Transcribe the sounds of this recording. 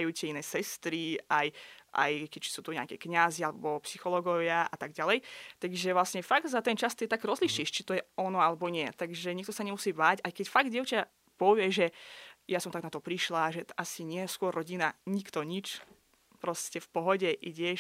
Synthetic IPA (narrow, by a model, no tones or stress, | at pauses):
ajuːtɛinɛːsɛst̪ɾiajʔa̰jkɛct͡ʃi̥suːt̪uɲa̰kɛ̰kɲazialɛbɔpsixɔlɔɡɔʋɪaa̰t̪aɡ̚ɟalɛjt̪aɡʒɛʋlasɲɛfaɡ̪sat̪ɛnt͡ʃast̪ɛt̪aɡɾɔzliʃiʃt͡ʃit̪ɔjɛɔnɔalɛbɔɲɪɛt̪aɡʒɛɲikt̪ɔsaɲɛmusiːbaːcajkɛcfaɡd̪ʲjɛʊt͡ʃa | pɔʋɪɛʒɛjasɔmt̪aɡnat̪ɔpɾiʃlaʒɛʔasiɲɪɛskʊɔrːɔɟinaɲikt̪ɔɲit͡ʃ | pɾɔscɛfpɔɦɔɟɛʔiɟɛ